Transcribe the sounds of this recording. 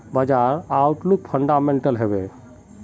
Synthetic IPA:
bəd͡ʒaɾaʊʈluk̚pʰəɳɖameɳʈəlɦebe

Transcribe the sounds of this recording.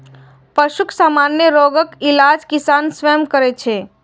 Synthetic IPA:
pəʃukʰsaːmaːnjəɾoɡəkɪlaːd͡ʒkɪsaːnsʋɛːmkəɾet͡ʃʰeː

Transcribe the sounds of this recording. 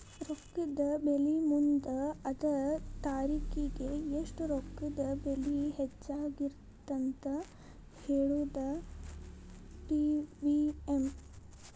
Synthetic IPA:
ɾokːɐd̪ɐbelimund̪ɐɐd̪ɐt̪aːɾiːkiɡeeʂʈɾokːud̪ɐbeliɦet͡ʃːaːɡiɾ | t̪ɐnt̪ɐ | heːɭuːd̪ɐ | ʈiʋiem

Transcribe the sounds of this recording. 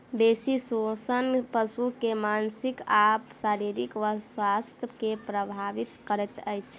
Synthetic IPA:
besisosənpəsukemansikapsaɾiɾikʋəswast̪ʰjəkepɾəbʱaʋit̪kəɾɛt̪əjt͡ʃʰ

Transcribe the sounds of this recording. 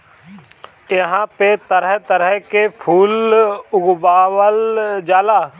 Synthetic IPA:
jəɦãpet̪əɾəɦt̪əɾəɦkepʰuːlʊɡbaːwəld͡ʒaːlaː

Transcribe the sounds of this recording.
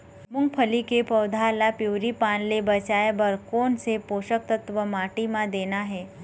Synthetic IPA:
mʊŋɡ̚pʰəlikepəwd̪ʱalapjuʋɾipãnlebət͡ʃajebəɾkoːnsepoːʃək̚t̪ət̪ʋəmaʈimãd̪enaɦɛ

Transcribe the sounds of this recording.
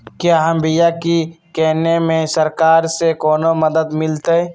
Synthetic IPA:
kjaːɦəmbɪjakikɛɦnemẽsɐɾkaːɾsekɔːnomɐd̪əd̪mɪlt̪eɛ

